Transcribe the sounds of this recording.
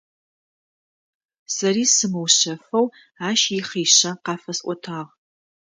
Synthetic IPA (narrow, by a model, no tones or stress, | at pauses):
sɐɾiːsɨmɨwɕɐfɐw | aːʃiχiːɕɐqɑːfɐsʔʷɔtʰaːʁ